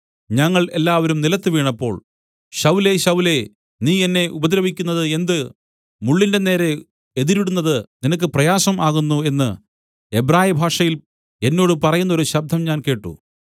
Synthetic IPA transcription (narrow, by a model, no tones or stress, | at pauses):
ɲɐŋːɐɭe̞lːaːʋɐɾumnilɐt̪ːɨʋiːɳɐpːo̞ːɭ | ɕɐwle̞ɕɐwle̞ | niːenːe̞ʔubɐd̪ɾɐʋikʲːunːɐðɨe̞nd̪ɨ | muɭːinde̞ne̞ːɾe̞ | eðiɾiɽunːɐðɨninɐk̬ːɨprɐjaːsɐmʔaːɣunːue̞nːɨ | e̞bɾaːjibʱaːʂɐjil | e̞nːo̞ːɽɨpɐrɐjunːɐo̞ɾuɕɐb̚d̪ʱːɐmɲaːnke̞ːʈːṵ